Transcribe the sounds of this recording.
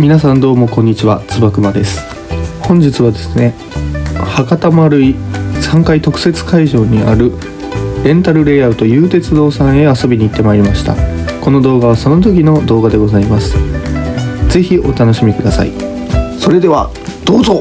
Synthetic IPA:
mʲinas̬ãnd̪o̞ːmo̞kõ̞ɲ̟ːit͡ɕiβat͡sɨbakɯ̟bad̪e̞sɨ̥ | hõ̞ɲ̟d͡ʑit͡sɨβ̞ad̪e̞sɨ̥ne̞ | hakat̪amaɾɯ̟isãŋkait̪o̞kɯ̥se̞t͡sɨ̥kaiʑo̞ːɲ̟iʔa̰ɾɯ̟ | ɾẽ̞nt̪aɾɯ̟ɾe̞aɯt̪o̞jɯːt̪e̞t͡sɨd̪o̞ːsãɰ̃e̞aso̞bʲiɲ̟iːt̪ːe̞maiɾʲimaɕi̥t̪a̰ko̞no̞d̪o̞ːɡaβ̞aso̞no̞t̪o̞kʲino̞d̪o̞ːɡad̪e̞ɡo̞zaimasɨ̥ | ze̞çiʔo̞t̪ano̞ɕimʲikɯ̟d̪asa̰ḭ | so̞ɾe̞d̪e̞βa̰ | d̪̥o̞ːzo

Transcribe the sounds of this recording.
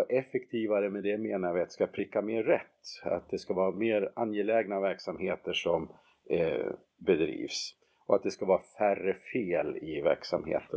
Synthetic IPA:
ʔɛfɛkt̪ʰiːvaɾəmɛd̪ɛmeːnaɾvɪat̪ɛskapʰɾɪkːameːɾːɛt̪ːa̰t̪̚d̪ɛskavɑːameːɾanjɛlɛːɡnavæɾksamheːt̪əʂɔm | bɛd̪ɾḭːvs | ʔɔat̪̚d̪ɛskavɑːɾafærːəfeːlɪvæ̰ɾksa̰mhḛːt̪ʰə

